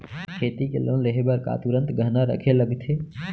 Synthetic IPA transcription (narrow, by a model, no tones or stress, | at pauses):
kʰet̪ikḛlõnleɦebəɾka̰t̪uɾə̃nt̪ɡʱənaɾə̰kʰeləɡt̪ʰe